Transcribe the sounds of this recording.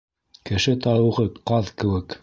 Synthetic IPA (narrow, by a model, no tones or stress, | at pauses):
kɘ̆ʃɘt̪ɑɾɤ̆ʁɤqɑðkɘ̆wɘk